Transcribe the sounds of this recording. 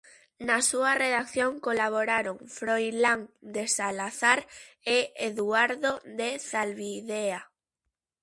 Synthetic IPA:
nasuareðakθjoŋkolaβ̞oɾaɾoŋfɾojlaŋd̪esalaθaɾ | eeðuaɾðoðeθalβiðea

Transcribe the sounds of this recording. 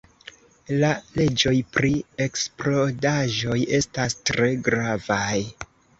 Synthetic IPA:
lale̞d͡ʒo̞jpɾie̞ksplo̞daʒo̞je̞stastɾe̞ɡɾavaj

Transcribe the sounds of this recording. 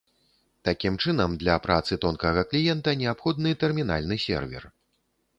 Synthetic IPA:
t̪akʲimt͡ʂɨnɐmd̪lʲɐpɾat̪sɨt̪ɔnkɐɣɐklʲijɛnt̪ɐnʲɛapxɔd̪̚nɨt̪ɛrmʲina̰lʲnɨsʲɛ̰rvʲɛ̰r

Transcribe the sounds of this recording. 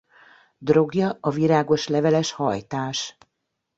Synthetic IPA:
d̪ro̞ɡjɒɒviɾaːɡo̞ʃlɛvɛlɛʃhɒjt̪aːʃ

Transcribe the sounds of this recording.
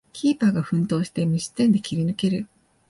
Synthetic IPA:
kʲiːpaːɡaɸɯ̟̃nt̪o̞ːɕi̥t̪e̞mɯɕi̥t̪ːẽnd̪e̞kʲiɾʲinɯ̟ke̞ɾɯ̟

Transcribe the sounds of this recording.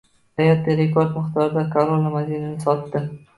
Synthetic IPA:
hajat̪ːɪɾekʰoɾd̪mɪχt̪ʰɒɾɪd̪akʰoɾolˠamad̪inanɪsɒt̪ːɪ

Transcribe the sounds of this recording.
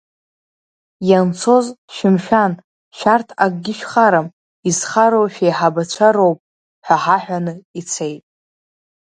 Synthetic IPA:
jant͡sʰo̞zʃɪmʃᶣan | ʃartʰaɡʼɡʲɪʃᶣχaɾam | izχaɾowʃᶣejħabat͡ɕʷʰaɾo̞wpʼ | ħʷᶣaħaħᶣanɨit͡sʰe̞jtʼ

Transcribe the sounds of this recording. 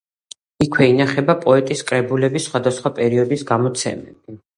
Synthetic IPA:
ikʰwɛinaχɛbapʼɔɛt̪ʼiskʼɾɛbulɛbisːχwad̪asχwapʼɛɾiɔd̪isɡamɔt̪sʰɛ̰mɛ̰bi

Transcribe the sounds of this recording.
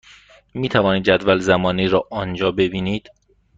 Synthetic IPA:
miːt̪ʰævɒːniːd̪æd̪vælzæmɒːniːɾɒːʔɒːnd͡ʒɒːbe̞biːniːd̪̥

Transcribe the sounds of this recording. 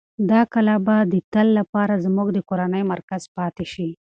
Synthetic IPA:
d̪ɑkalabad̪ət̪alːapɑɾazmuɡd̪əkoɾanəjmaɾkaz̥pɑt̪eʃi

